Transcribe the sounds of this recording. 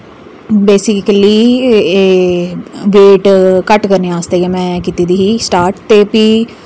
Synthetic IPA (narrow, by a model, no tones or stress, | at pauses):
beːsɪkəliː | ʋeːʈkəʈkəɾnẽaːst̪eːɡeːmɛ̃ːkiːt̪iːd̪iːɦiːsʈaːɾʈt̪eːpiː